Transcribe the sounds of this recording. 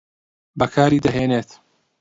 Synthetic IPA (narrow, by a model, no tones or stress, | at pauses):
bɐkʰaːɾiːd̪ɐɦeːneːt̪